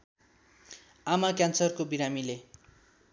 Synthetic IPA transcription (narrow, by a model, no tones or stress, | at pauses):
amakjansʌrkobiɾamile